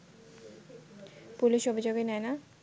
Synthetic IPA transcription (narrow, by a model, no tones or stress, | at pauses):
puliʃobʱid͡ʑoɡenɛena